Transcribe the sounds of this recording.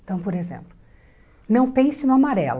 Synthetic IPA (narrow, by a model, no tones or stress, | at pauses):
t̪ɐ̃w̃poɾezḛ̃mplʊ | nɐ̃w̃pẽsɪnʊ̃amaɾɛl